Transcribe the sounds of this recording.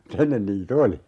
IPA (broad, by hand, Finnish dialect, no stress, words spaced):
m̩t enːen niːt oli